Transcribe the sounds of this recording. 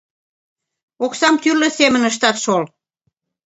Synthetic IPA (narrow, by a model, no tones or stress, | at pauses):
oksɑmt̪yrlə̆semə̆nəʃ̬t̪ɑt̪ʃol